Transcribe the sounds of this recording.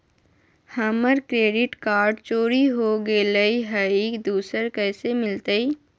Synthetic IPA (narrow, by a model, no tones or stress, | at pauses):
hɐməɾkɾeːɖɪʈkaːɾɖt͡ʃoːɾiɦoɡeːləiɦəiːkd̪uːsəɾkɛːsemɪlt̪əi